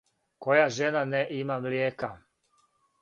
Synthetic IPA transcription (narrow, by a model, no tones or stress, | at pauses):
ko̞jaʒenaneʔimamljeːka